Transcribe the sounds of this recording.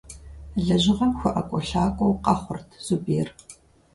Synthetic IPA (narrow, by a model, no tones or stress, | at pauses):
ɮɐʑɪʁɐmxʷʊʔɐkʷʼɔɬaːkʷʼowqɑχʷʊrtʰz̥ubeːr